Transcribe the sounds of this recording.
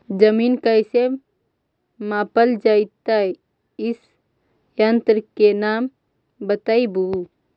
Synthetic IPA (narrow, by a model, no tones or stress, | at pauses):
d͡ʒəmiːnkəse | maːpəld͡ʒaɪt̪aj | ɪs | jənt̪ɾkenaːm | bət̪aibu